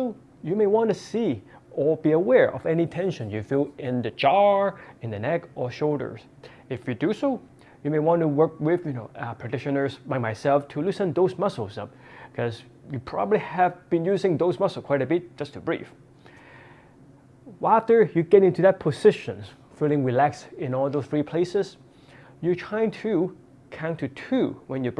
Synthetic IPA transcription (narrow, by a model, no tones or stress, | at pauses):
soʊ | jɨmeɪwɑ̃ntɨsiə˞biəwɛɹʔʌ̰vɛnitʰɛ̃nʃɨ̃njɨfilˠɪ̃nðɨd͡ʒɑɨ̃nðɨnɛkə˞ʃoʊlˠdə̰˞z̥ | ɪfjɨdɨsoʊ | jɨmeɪwɑ̃ntəwɜ˞k̚wɪðjɨnoʊpʰɹæk̚tɪʃɨ̃nə˞zbãɪ̃maɪsɛlˠftʰɨlɪsɨ̃nðoʊzmʌsl̩ˠzʌ̰p̚ | kʰʌz | jɨpʰɹ̥ɑ̰bəbliævb̥ɨ̃njʉzɪ̃ŋðoʊzmʌsl̩skʰw̥aɪɾɨbɪt̚d̥ʒ̥ʌstʰɨbɹḭf | æftə˞jɨɡɛɾɪ̃ntʉðɨt̚pʰəzɪʃɨ̃ns | fɪlˠɪ̃ŋɹilæksɪ̃nɔlˠðoʊz̥θɹipʰl̥eɪsɪz̥ | jɨtʰɹ̥ãɪ̃ntʰɨ | kʰãʊ̃ntʰɨtʰʉwɛ̃njɨ